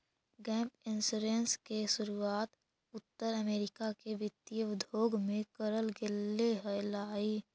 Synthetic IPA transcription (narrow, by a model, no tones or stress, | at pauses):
ɡɛ̃ːmpɪnsuɾeːnskesʊɾuaːt̪ | ʊt̪ːəɾəmeːɾɪkakeʋɪt̪ijəʊd̪ʱoːɡmẽkəɾəlɡɪlːeɦɛlaːiː